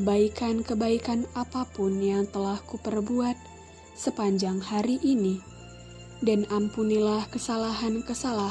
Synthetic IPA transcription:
əbaikankəbaikanapapunjaŋt̪əlahkupərbuat̪̚ | səpaɲd͡ʒaŋhaɾiʔini | danampunilahkəsalaɦankəsala

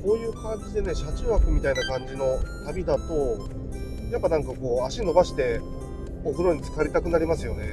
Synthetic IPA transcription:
ko̞ːjɯ̟ːkãɲ̟d͡ʑid̪e̞ne̞ɕat͡ɕiβakɯ̟mʲit̪ainakãɲ̟d͡ʑino̞t̪abʲid̪at̪o̞ | japːanãŋkako̞ːaɕino̞baɕi̥t̪e̞ | oɸɯ̟no̞ɲ̟it͡sɨ̥kaɾʲit̪akɯ̟naɾʲimasɨjo̞ne̞

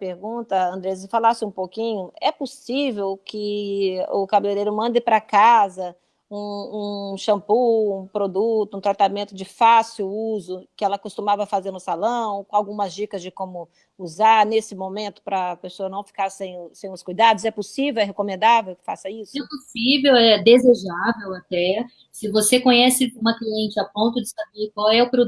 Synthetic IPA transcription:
peɾɡũt̪ɐɐ̃nd̪ɾɛsɪfalasɪũpokĩɲʊɛposivewkɪ | ʊkabileɾejɾʊmɐ̃nd̪ɪpɾɐkazɐ | ũũʃɐ̃puũpɾod̪ut̪ʊũt̪ɾat̪amẽnt̪ʊd͡ʒɪfasiwuzʊkɪɛlɐkost̪umavɐfazeɾnʊsalɐ̃w̃kõawɡũmɐzd͡ʒikɐzd͡ʒɪkõmʊ | uzaɾnesɪmõmẽnt̪ʊ̥pɾɐːpesoɐnɐ̃w̃fi̥kaɾsẽj̃sẽj̃ʊskujd̪ad̪ʊz̬ɛposivewɛɦekõmẽnd̪avewkɪ̥fasɐisʊɛposivewɛd̪ezeʒavewat̪ɛ | sɪvosekõɲɛsɪũmɐkliẽnt͡ʃɪapõnt̪ʊd͡ʒɪsabeɾkwawɛʊpɾo

